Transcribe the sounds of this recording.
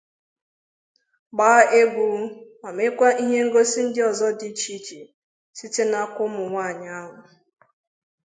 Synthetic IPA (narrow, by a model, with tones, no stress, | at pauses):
ɡ͡baː˦e˦bu˨˦ma˨me˦kʷa˦ʔi˦ɦe˦ŋ̩˦ɡo˦si˦n̩˦dɪ˦ɔ˨zɔ˦di˦t͡ʃi˦t͡ʃi˨ | si˦te˦na˦kʷʊ˦mʊ˨ŋʷa˦˨ɲa˦a˦ɦʊ˨